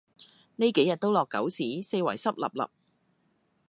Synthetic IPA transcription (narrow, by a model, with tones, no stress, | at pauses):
ne˥jke˨˥jɐ˨t̚t̪o˥wlɔː˨kːɐ̰˨˥wsiː˨˥se˧jwɐ˨˩jsɐ˥p̚lɐ̰˨˩p̚lɐ̰˨p̚